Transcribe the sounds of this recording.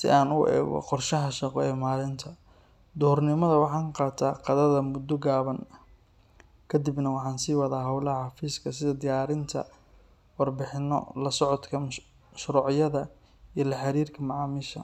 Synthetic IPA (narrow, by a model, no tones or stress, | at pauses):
sɪ̰ʔaːnʊɛ̰ːɣɔ̰qɔrʃɐɦɐʃɑqɔɛːmaːlɪnt̪ʰɐ | d̪ɔːrnɪmɐðɐwɑħɑːŋqɑːt̪ʰaːqɑðɐðɐmʊd̪ːɔɡaːβɐn | kʰɐd̪ɪbnɐwɑħɑːnsiːwɐðaːɦɐwlɐhɐħɑfiːskʰɐsɪðɐd̪ɪjaːɾɪnt̪ʰɐ̰ | wɑrbɪħɪnːɔ̰lɐsɔʕɔt̪kʰɐ | ʃɾuːʕjɐðɐ | ijlɐħɑɾiːrkʰɐmɑʕɑːmɪʃɐ̰